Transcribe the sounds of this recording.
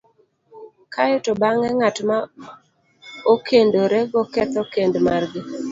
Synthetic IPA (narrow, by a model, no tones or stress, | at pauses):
kʰajotobaŋɛŋatma | okʰendoɾeɡɔkɛt̪ɔkendmarɡɪ